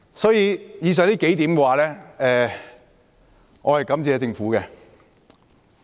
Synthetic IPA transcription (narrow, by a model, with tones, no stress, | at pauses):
sɔː˨˥jiː˧jiː˧s̬œː˨˩ŋliː˥ke˨˥jt̪iː˨˥mkɛː˧waː˨˧lɛː˥ɛː˧ | ŋʔɔː˨˧hɐ˨jkɐ˨˧˥mt͡siː˧ɛː˨˧t͡sɪ˧ŋfuː˨˥kɛ˧